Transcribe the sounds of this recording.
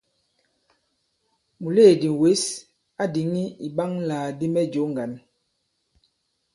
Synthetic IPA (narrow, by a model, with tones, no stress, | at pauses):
mu˨leː˦˨di˨we˨˦s | a˦di˨˦ŋi˦i˨ɓa˦ŋlaː˨di˦mɛ˦d͡ʒo˨˦ŋɡa˨n